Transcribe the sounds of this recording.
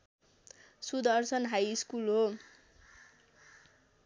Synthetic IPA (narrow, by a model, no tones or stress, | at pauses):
sud̪ʌrsʌnɦajiskulɦo